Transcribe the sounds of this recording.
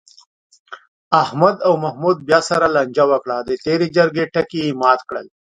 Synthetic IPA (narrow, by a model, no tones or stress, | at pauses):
ahmad̪awmahmud̪̚bjɑːsaɾalaɲd͡ʒawəkɽad̪ət̪eɾed͡ʒəɾɡeʈakiːmɑːt̪kɽəl